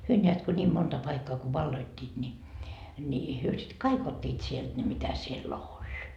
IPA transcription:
hyø nʲeæt ko nʲiːm montɑ pɑikːɑː ko ʋɑlːoitːiːt nʲi nʲi hyø sit kɑik otʲːiːt sielt ne mitæ sielː olʲ

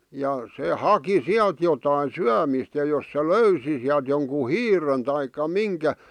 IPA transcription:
jɑ se hɑki siælt jotɑin̞ syæmiˑst jɑ jos se løysi siælt joŋku hiːren tɑikːɑ miŋkæ

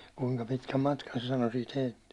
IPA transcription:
kuiŋkɑ pitkæm mɑtkɑn se sɑno siːt heilt

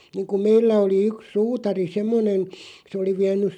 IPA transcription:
niːŋku meilːæ oli yk suːtɑri semːonen se oli ʋiænˑys̆

